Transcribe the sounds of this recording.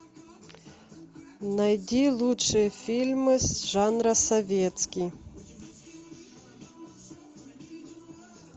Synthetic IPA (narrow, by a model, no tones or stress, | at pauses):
nɐjdʲilˠuʂɨjəfʲilʲmɨsʐanɾɐsɐvʲet̪skʲij